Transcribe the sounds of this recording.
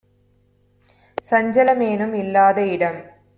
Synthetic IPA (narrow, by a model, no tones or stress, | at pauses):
sɐɲd͡ʑɐlɐmeːnumilːaːðɐiɽɐm